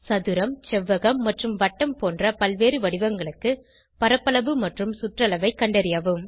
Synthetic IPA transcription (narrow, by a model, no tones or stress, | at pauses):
sɐðɯɾɐmt͡ʃɛʋːɐɣɐmːɐʈrɯmʋɐʈːɐmpoːndrɐpɐlʋeːɾɯʋɐɽɪʋɐŋɡɐɭɯkːɯ | pɐɾɐpːɐɭɐʋɯmɐʈrɯmsʊʈrɐɭɐʋɐɪkːɐɳɖɐɾɪjaːʋɯm